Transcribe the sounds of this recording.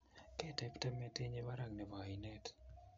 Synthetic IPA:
kɛtɛptɛ˦mɛte˦ɲewa˦ɾa˨ŋnɛ˨ba˨inɛt

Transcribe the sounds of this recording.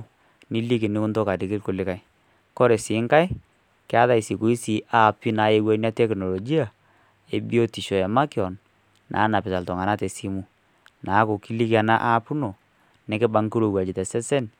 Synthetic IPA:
ni˦li˦ki˨nɪ˦kʊ˦nto˦ka˨dɪ˨kɪ˦lkʊ˦lɪ˦ka˦j | kɔ˦ɾɛ˨sɪ˨˦ŋka˦j | kɪ˦a˦ða˦i˨si˨ku˨˦i˦si˨ʔa˦˨pi˦na˨˦je˦wa˦n˦a˦tɛ˦kno˨lo˨ɡi˦a˨ | e˨bi˦o˦ti˨ʃɔ˨ɛ˨ma˦kjɔ˨n | nʔa̰˨˦na˨pɪ˨ta˨ltɔ˨ŋa˨na˦tɛ˨si˦mu˦ | na˨˦ko˨ki˦li˦ka˨na˦ʔa˦pu˦no˨ | nɛ˦kɪ˦ba˦ŋki˦ɾo˨wa˨d͡ʒɪ˨tɛ˨sɛ˦sɛ˦n

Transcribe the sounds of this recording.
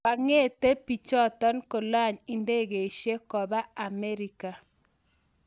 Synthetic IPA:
ba˨ŋe˦˨te˦pi˨t͡ʃɔ˦˨tɔ˦nko˨la˦˨ɲi˨nde˦˨ɣe˨ʃe˦kɔ˨βa˦a˨me˦ɾi˦ka˨

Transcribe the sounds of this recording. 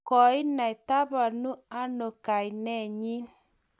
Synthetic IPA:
kɔ˨i˦na˨i˨ta˦ba˨nu˦a˦no˨ka˨i˨nɛ˦˨ɲi˦

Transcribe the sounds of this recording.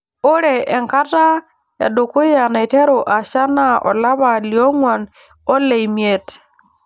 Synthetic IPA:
u˦ɾe˨ʔe˨ŋka˦ta˦ | ja̰˨du˨ku˦ja˨na˨i˨te˦ɾo˨ʔa˨ʃa˦na˦ɔ̰˨la˦βa˨liɔ˦ŋwa˨n | ɔ˦le˨imje˦t

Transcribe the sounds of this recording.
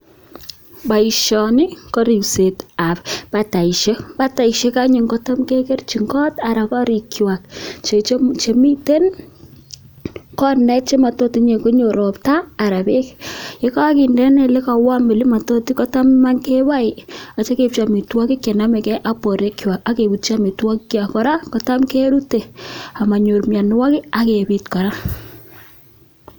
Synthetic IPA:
ba˨iʃɔni˦kɔ˦ɾi˨wsetappa˨ta˨i˨ʃe˦ba˦ta˨iʃe˦ka˦ɲe˨ŋkɔ˦tɔ˦mke˦ke˦rt͡ʃi˨ŋɡɔ˦ta˨ɾa˨kɔ˦ɾi˨kjwa˨k̚t͡ʃe˨t͡ʃt͡ʃe˨mi˦te˦n | kɔ˦rnɛ˦t̚t͡ʃe˦ma˨to˦ti˨ɲe˨ko˦ɲo˨ɾo˨ptaː˦˨ɾa˨be˦ke˦ka˦ki˨ndɛ˦nɛ˨le˦ka˨wa˦mbe˨li˦ma˨to˦ti˦kɔ˦ta˦mma˦nke˦wa˦ɪa˨t͡ʃa˦ke˨p̚t͡ʃa˨mi˨twɔ˦kɪ˦kːe˨na˦mɛ˨kɛ˦ʔa˦pɔ˨ɾe˦kjwa˨ka˦ke˨bu˨tt͡ʃa˦mi˨twɔ˦ki˦kja˨kɔ˦ɾa˦kɔ˨ta˦mke˦ɾu˦te˨a˨ma˨ɲo˨ɾmja˨nwa˦ki˦a˨ke˨bi˨tkɔ˨ɾa˦

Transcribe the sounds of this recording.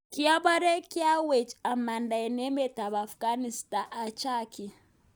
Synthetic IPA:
ki˦a˦ba˦ɾe˦ki˦a˦we˨t͡ʃa˨ma˨nda˨ɛ˨ne˦me˦ta˨βa˨fka˦ni˨sta˨ʔa˨t͡ʃa˦ki˨

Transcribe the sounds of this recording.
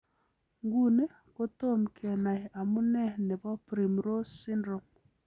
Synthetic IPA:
ŋɡu˦˨ne˦ | ko˦to˦˨mkʰɛ˨na˨ja˨mu˦nɛ˦ne˨βɔ˦pɾi˨mɾo˦si˦ndɾo˨m

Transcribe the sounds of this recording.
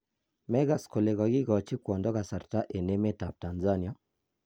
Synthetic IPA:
mɛ˦ɣa˨sko˨le˨ɣɔ˨ɡi˦ɣɔ˨t͡ʃi˦kwɔ˨ndɔ˦ɣa˨sa˨ɾta˦ʔe˨ne˦me˦ta˨pta˨nza˦ni˨a˦

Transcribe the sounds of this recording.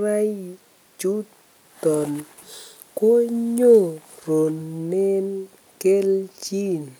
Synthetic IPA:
ɾa˦j | t͡ʃu˦ | tɔ˨n | ko˦ɲo˦˨ɾo˨nːe˦n | ke˦lt͡ʃi˦n

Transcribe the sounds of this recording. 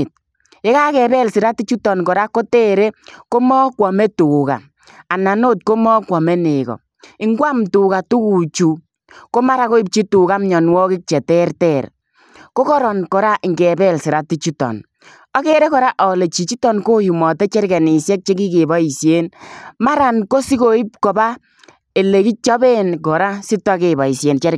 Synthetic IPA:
t̚ | e˦ka˦kɛ˨bɛ˦˨lsɪ˨ɾa˦ti˦t͡ʃu˦tɔ˨nkɔ˨ɾa˦ko˦tɛ˦ɾe˦ko˦mɔ˦kwɔ˨me˦tu˨ka̰˨ | a˨na˨no˦t̚ko˦mɔ˦kwɔ˨me˦ne˨kɔ̰˨ | ɪ˦ŋɡwa˦mtu˨ka˨tu˦ku˨t͡ʃu˨ | ko˦ma˦ɾa˦ko˦i˦p̚t͡ʃi˦tu˨ka˦m˦ɲɔ˨n˦wɔ˦kɪ˦k̚t͡ʃɛ˨tɛ˦rtɛ˦˨ɾ | ko˦kɔ˦ɾɔ˨nkɔ˨ɾa˦ʔɪ˨ŋɡɛ˨bɛ˦lsɪ˨ɾa˦ti˦t͡ʃi˦tɔ̰˨n | ɔ˦ke˦ɾɛ˦kɔ˨ɾa˦ʔɔ˨le˨t͡ʃi˨t͡ʃi˦tɔ˨nko˦ju˨mɔ˨tɛ˦t͡ʃɛ˦ɾkɛ˨ni˨sjɛ˦k̚t͡ʃe˦ki˦ke˨bɔ˨˦i˨sje˦nma˦ɾa˨nko˦si˦ko˨˦i˦p̚kɔ˨ba˦ | e˨le˨ki˦t͡ʃɔ˦be˦nkɔ˨ɾa˦si˦tɔ˦ke˨bɔ˨i˨sje˨nt͡ʃɛ˦ɾ

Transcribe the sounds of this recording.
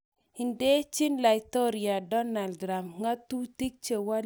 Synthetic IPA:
i˨nde˦t͡ʃi˦nla˨i˨t̪o˦ɾi˨a˨dɔ˦na˨lɾa˨mŋa˦t̪u˦ti˦k̚t͡ʃe˨wa˦

